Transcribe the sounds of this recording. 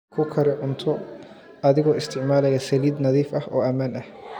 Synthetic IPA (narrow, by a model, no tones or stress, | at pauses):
kʰʊkʰɐɾɪʕʊnt̪ʰɔ | ʔɐðɪɣɔːɪst̪ʰɪʕmaːlɐjɐsɐliːd̪nɐðiːfɐhʔɔːʔɐmaːnʔɐh